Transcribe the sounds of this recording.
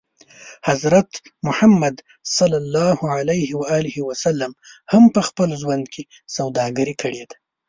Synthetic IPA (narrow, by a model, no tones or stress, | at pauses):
hazɾat̪mʊhamːad̪ | sɑlːalːɑhuʕalajhiwaaːlɪhiwasalːamhampəxpəlʒwand̪kʰe | sawd̪ɑɡaɾikʰəɽed̪ḁ